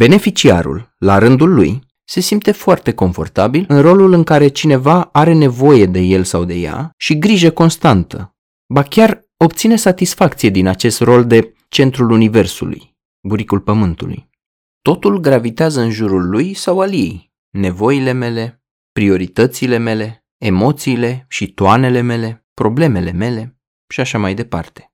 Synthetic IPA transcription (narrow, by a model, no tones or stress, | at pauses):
b̥e̞ne̞fit͡ʃia̰ɾṵlːaɾɨnd̪ulːṵj | se̞simpt̪e̞foart̪e̞ko̞ɱfo̞̰rt̪abilɨnro̞lulɨŋkaɾe̞t͡ʃine̞vaaɾe̞ne̞vo̞je̞d̪e̞je̞lsawd̪e̞̰ja̰ʃiɡɾiʒeko̞nst̪ant̪ə̰ | bakʲar | o̞pt̪sine̞sat̪isfakt̪sije̞d̪inat͡ʃe̞st̪ro̞ld̪e̞ | t͡ʃe̞nt̪ɾulunive̞rsṵlṵj | buɾikulpəmɨnt̪ṵlṵj | t̪o̞t̪ulɡɾavit̪eazəɨnʒuɾulːujsawalje̞̰j | ne̞vo̞ile̞me̞le̞ | pɾio̞ɾit̪ət̪siːle̞me̞le̞ː | mo̞t̪siːle̞ʃit̪oane̞le̞me̞le̞pɾo̞ble̞me̞le̞me̞le̞ | ʃiaʃamajd̪e̞pa̰rt̪e̥